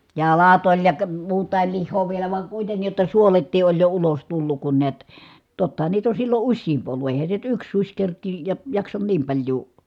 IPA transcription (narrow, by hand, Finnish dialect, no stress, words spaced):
jɑlɑt olʲ jɑ kə muːtˑɑˑil lihˑoː ʋielæ ʋɑŋ kuitenːij jotːɑ suoletːiː ʔolʲ jo ulos tulːuk kun niæt totːɑhɑn niːt on̞ silːo usʲsiːmp olːu ʔeˑi̯hæn̞ se nyt yks susʲ kerkˑiːj jɑ jɑksɑn niːm pɑlʲjuː